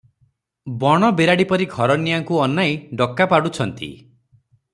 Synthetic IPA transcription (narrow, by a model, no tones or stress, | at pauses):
bɔɽ̃ɔbeɾaɽipɔɾiɡʱɔɾɔnijaŋkuɔnːajɖɔkːapaɽut͡ʃʰɔnt̪ḭ